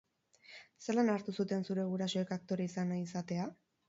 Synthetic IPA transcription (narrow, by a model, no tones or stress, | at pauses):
selanaɾt̪usut̪e̞nsuɾe̞ɣ̞uɾaso̞e̞kak̚t̪o̞ɾaisanaisat̪e̞a